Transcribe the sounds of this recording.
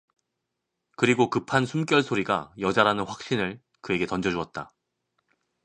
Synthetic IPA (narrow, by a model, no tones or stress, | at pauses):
kɯɾiɡokɯpʰansʰumk͈jʌɭsʰoɾiɡajʌd͡ʑaɾanɯnɸwak̚ɕ͈inɯɭ | kɯe̞ɡe̞tʌnd͡ʑʌd͡ʑuʌt̚t͈a